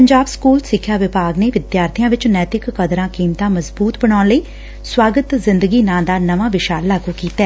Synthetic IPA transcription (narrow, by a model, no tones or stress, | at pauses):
pəɲd͡ʒaːbskuːlsɪkʰːjaːʋɪpaːɡneːʋɪd̪jaːɾt̪ʰɪjãːʋɪt͡ʃnɛːt̪ɪkːəd̪ɾãːkiːmt̪ãːməzbuːt̪bəɽaːnləiː | swaːɡət̪zɪnd̪əɡiːnãːd̪aːnəʋãːʋɪʃaːɾlaːɡuːkiːt̪aː